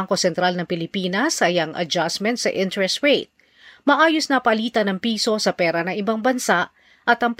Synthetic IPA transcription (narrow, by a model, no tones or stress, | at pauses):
ŋko̞sɛnt̪ɾalnɐŋpɪlɪpiːnɐsɐjɐŋʔɐ̰d͡ʒasmɛnt̪sɐʔɪnt̪ɹɛst̪ɹejt̪̚ | mɐʔaːjosnɐpɐliːt̪ɐnɐŋpiːso̞sɐpɛːɾɐnɐŋɪbaŋbɐnsaʔ | ʔɐt̪ɐŋp